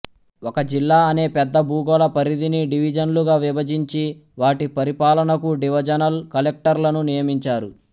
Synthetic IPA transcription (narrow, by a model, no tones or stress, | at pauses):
ɔkɐd͡ʒilːaːɐne̞ːpɛd̪ːɐbuːɡoːlɐpɐɾid̪iniɖiʋid͡ʒɐnluɡaːʋibɐd͡ʒiɲt͡ʃiʋaːʈipɐɾipaːlɐnɐkuɖiʋɐd͡ʒɐnɐlkɐlek̚ʈɐɾlɐnunijɐmiɲt͡ʃaːɾu